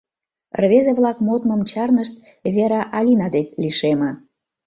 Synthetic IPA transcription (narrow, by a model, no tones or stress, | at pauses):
rβezeβlɑkmot̪məmt͡ɕɑrnəʃt̪ | βeɾɑʔɑlʲinɑd̪ekliʃemə̆